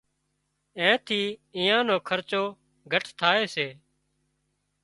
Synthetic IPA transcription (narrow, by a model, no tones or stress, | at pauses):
ẽːt̪ʰiːɪ̃ːjãːnoːkʰəɾt͡ʃoː | ɡʱəʈʰt̪ʰaːeːseː